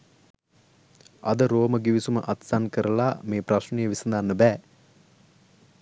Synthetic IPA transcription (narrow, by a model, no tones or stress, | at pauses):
ad̪əɾoːməɡiʋisuməʔat̪sankəɾəlaːmeːprasnəjəʋisənd̪anːəbɛː